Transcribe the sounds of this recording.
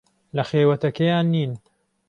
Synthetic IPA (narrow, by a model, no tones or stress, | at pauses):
lɐxeːwɐt̪ɐkejaːnːiːn